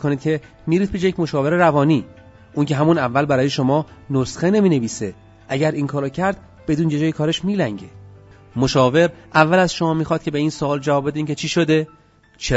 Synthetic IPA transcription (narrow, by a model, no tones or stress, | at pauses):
koniːd̪kcʰe̞ | miːɾiːt̪̚biʃjecmo̞ʃɒːve̞ɾeɾævɒːniː | ʔuncʰe̞ɦæmunævːælbæɾɒːjeʃo̞mɒːnosxene̞miːne̞viːse | ʔæɟæɾʔiːŋkʰɒːɾɔːcʰæɾd̪̥̚ | b̥e̞d̪uːnjed͡ʒɒːjekʰɒːɾeʃmiːlæŋɟe | moʃɒːve̞ɾʔævːælæzʃomɒːmiːxɒːd̪̚cʰe̞be̞iːnsoɒːld͡ʒævɒːbe̞d̪eiːncʰe̞t͡ʃʰiːʃod̪e̞ | t͡ʃʰe